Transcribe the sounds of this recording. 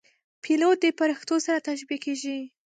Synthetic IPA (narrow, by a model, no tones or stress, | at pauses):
pʰilot̪̚d̪əpaɾixt̪osaɾat̪aʃbikeʒi